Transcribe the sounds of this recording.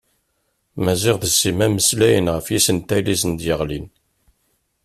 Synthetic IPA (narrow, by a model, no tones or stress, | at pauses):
mæziʁðəsːimæməslæjənʁəfjisənt̪ælisənd̪jəʁlin